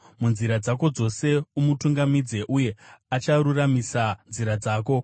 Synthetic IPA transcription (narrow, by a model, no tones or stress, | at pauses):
munziɾad͡zako̞d͡zo̞se̞umutuŋɡamid͡ze̞ʔuje̞at͡ʃaɾuramisanziɾad͡zaːko̞